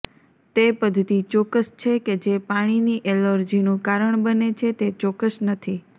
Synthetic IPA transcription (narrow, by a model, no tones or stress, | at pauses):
t̪epəd̪ʱt̪it͡ʃɔkəst͡ʃʰeked͡ʒepaɽ̃iniʔeləɾd͡ʒinũkaɾəɳ̃bənet͡ʃʰet̪et͡ʃɔkːəʃnət̪ʰi